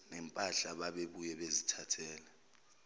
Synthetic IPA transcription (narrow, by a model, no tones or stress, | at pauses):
nɛmpʼaɬaɓaɓeɓujɛɓezitʰatʰɛːlɛ